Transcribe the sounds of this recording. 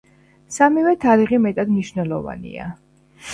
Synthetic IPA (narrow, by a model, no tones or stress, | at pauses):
samivɛt̪ʰaɾiʁimɛt̪ʼad̪mniʃvnɛlˠɔva̰nḭa̰